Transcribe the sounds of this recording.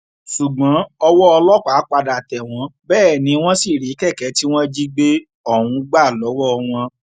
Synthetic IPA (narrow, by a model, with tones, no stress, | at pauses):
ʃu˨ɡ͡bã˨˦ɔ˧wɔ˦ɔ˧lɔ˦ka˨˦k͡pa˧da˨tɛ˨w̃ɔ̃˨˧˦bɛː˦˨nĩ˨˦w̃ɔ̃˦si˦˨ɾi˨˦kɛ˦˨kɛ˨˦ti˦w̃ɔ̃˦d͡ʒi˦ɡ͡be˦ | ɔ˦˨hũ˨˦ɡ͡ba˦˨lɔ˨˦wɔ˦ɔ˧w̃ɔ̃˧